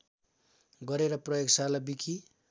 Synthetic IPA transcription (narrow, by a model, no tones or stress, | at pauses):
ɡʌɾeɾʌprʌjoɡsalabikʰi